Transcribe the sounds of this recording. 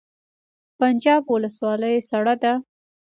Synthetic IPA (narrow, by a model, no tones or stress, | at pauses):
pand͡ʒɑbwʊləswɑləjsaɽad̪a